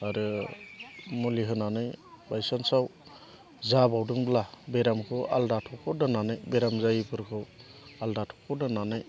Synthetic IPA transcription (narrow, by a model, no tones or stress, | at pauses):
aɾɯ | muliɦɯnanɯjbajsansaw | zabawdɯŋblabeɾamkʰɯwa̰ldatʰɔkʰɔdananɯjbeɾamzajipʰɯɾkʰɯw | aldatʰɔ̥kʰɔdananɯj